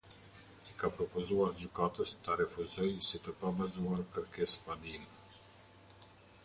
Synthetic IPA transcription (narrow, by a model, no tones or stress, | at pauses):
ikapɾɔpɔzuaɾd͡ʑykat̪əst̪aɾɛfuzɔjsit̪əpavazuaɾkəɾkɛspad̪in